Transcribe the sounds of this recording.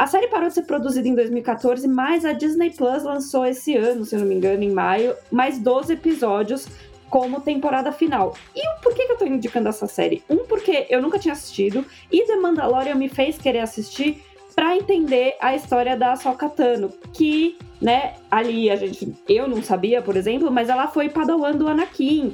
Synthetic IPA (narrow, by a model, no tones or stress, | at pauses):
ɐsɛɾɪpaɾowd͡ʒɪseɾpɾod̪uzid̪ɐẽd̪ojzmiuikat̪oɾzɪmɐjzɐd͡ʒiznejplɐslɐ̃soesɪɐ̃nʊsewnomĩŋɡɐ̃nʊẽj̃majʊmajzd̪ozɪepizɔd͡ʒiʊs | kõmʊt̪ẽmpoɾad̪ɐfinaw | ɪʊpoɾkekɪewt̪oĩd͡ʒikɐ̃nd̪ʊɛsɐsɛ̰ɾɪũpʊɾkeʔewnũkɐt͡ʃĩɲɐasi̥st͡ʃid̪ʊ | ɪd̪ɐmɐ̃nd̪alɔɾjɐmɪfejskeɾeɾasist͡ʃiɾ | pɾɐẽnt̪ẽnd̪eʔɐist̪ɔɾiɐd̪ɐsawkat̪ɐ̃nʊkɪnɛaliaʒẽnt͡ʃɪewnɐ̃w̃sabiɐpoɾezẽmplʊmɐzɛlɐfojpad̪awɐ̃nd̪ʊɐnakĩ